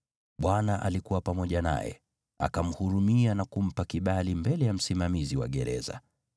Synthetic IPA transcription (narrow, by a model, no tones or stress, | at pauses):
ɓwanaʔalikuwapamɔʄana̰jɛ̰ | a̰kam̩huɾumianakum̩pakiɓalimbɛlɛjam̩simamiziwa̰ɠɛɾɛ̰za̰